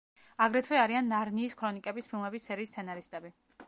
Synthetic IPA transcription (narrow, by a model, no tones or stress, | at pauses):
aɡɾɛt̪ʰwɛaɾianːaɾniːskʰɾɔnikʼɛbispʰilˠmɛbissɛɾiːst̪sʰɛnaɾist̪ʼɛbi